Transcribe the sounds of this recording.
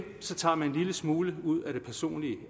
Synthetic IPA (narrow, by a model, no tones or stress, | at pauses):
sɒ̽t͡sʰɑ̰̈ːmæne̝nliləsmuːləuð̞̰ˠæɾ̥e̝pʰæɐso̝̰ːnliə